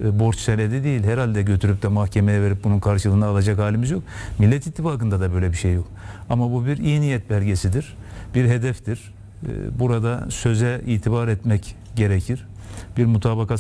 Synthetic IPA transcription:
bo̞ɾt͡ʃselʲed̪ɛd̪ejilʲɦɛɾalʲd̪ɛɟø̞t̪ʰyɾyp̚d̪ɛmahcʰemejɛve̞ɾip̚bununkʰaɾʃɯlˠɯːnaːlˠad͡ʒakhaːlʲimizjo̞k̚milːɛt̪it̪ʰːifaːkɯnd̪ad̪abø̞jlʲɛbiʃejːo̞kamabubiɾijnijɛt̪̚bælʲɟe̞sid̪iɾ̥ | b̥iɾɦe̞d̪ɛfd̪iɾ̥̰ | buɾad̪asø̞zɛiːt̪ʰibaɾɛt̪mɛc | ɟe̞ɾecʰiɾ̥ | b̥iɾmut̪ʰaːbaka

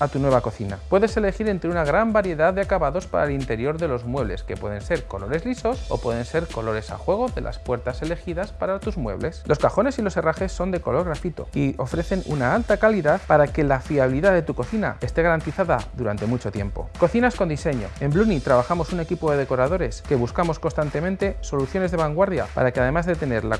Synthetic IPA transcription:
at̪unwe̞β̞ako̞θina̰pwe̞ðe̞se̞le̞xiɾe̞nt̪ɾeunaɣ̞ɾambaɾje̞ðaððeakaβaðo̞spa̰ɾaelint̪e̞ɾjo̞ɾðe̞lo̞zmwe̞β̞le̞ske̞pwe̞ðe̞nse̞ɾko̞̰lo̞ɾe̞zliso̞so̞̰pwe̞ðe̞nse̞ɾko̞lo̞ɾe̞sa̰xwe̞ɣ̞o̞ðe̞̰lʔa̰spwe̞ɾt̪ase̞le̞xiðaspaɾat̪uzmwe̞̰β̞le̞slo̞skaxo̞ne̞silo̞se̞raxe̞sːo̞nd̪e̞ko̞lo̞ɾɣɾafit̪o̰io̞fɾe̞θe̞nṵnaalt̪akaliðaðpaɾake̞lafiaβiliðaðe̞t̪uko̞θina̰est̪eɣaɾant̪iθaða̰ðuɾant̪e̞mut͡ʃo̞t̪je̞mpo̞̰ko̞θinaskond̪ise̞ɲo̞̰e̞mblunit̪ɾaβ̞axamo̞sune̞kipo̞ðe̞ðe̞ko̞ɾaðo̞ɾe̞ske̞βuskamo̞sko̞nst̪ant̪e̞mẽnt̪e̞so̞luθjo̞ne̞zðe̞βaŋɡwaɾðjapa̰ɾakeaðe̞mazðe̞t̪e̞ne̞ɾla̰

